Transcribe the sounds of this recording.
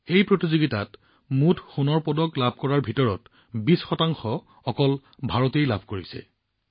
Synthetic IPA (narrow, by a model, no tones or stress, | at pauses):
ejpɹotizoɡitat | mutʰxunɔɹpɔdɔklabʱkɔɹaɹbʱitɔɹɔt | bisxɔtaŋxɔ | ɔkɔl | bʱaɹɔtejlabʱkoɹisɛ̰